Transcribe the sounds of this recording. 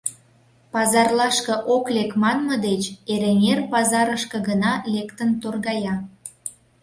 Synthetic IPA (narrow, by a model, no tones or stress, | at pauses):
pɑzɑrlɑʃkɤ̆ʔoklekmɑnmə̆d̪et͡ɕeɾemʲerpɑzɑɾəʃkə̆ɣənɑlekt̪ənt̪orɣɑjɑ